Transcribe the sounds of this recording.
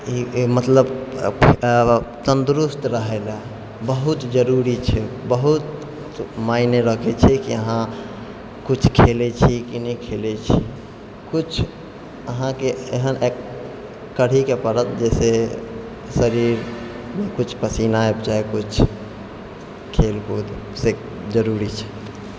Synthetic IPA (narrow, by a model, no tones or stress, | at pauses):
imət̪ləbʰ | t͡ʃənd̪ɾust̪ɾəɦela | bəɦut̪d͡ʒəɾuɾit͡ʃʰɛbəɦut̪ | maineɾəkʰet͡ʃʰɛkiəɦã | kut͡ʃʰkʰelet͡ʃʰikinəikʰelet͡ʃʰi | kʊt͡ʃʰ | əɦãkeeɦənʔekː | əɽ̤ikepəɾət̪d͡ʒɛːse | səɾiɾ | mẽkʊt͡ʃʰpəsinaebt͡ʃaekʊt͡ʃʰ | kʰeːlɦod̪ | se | d͡ʒəɾuːɾit͡ʃʰɛ̥